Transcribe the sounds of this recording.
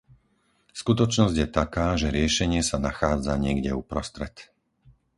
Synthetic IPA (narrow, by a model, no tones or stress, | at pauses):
skut̪ɔt͡ʃnɔzɟjɛt̪akaːʒɛɾɪɛʃɛɲɪɛsanaxaːd͡zaɲɪɛɡɟɛupɾɔst̪ɾɛt̪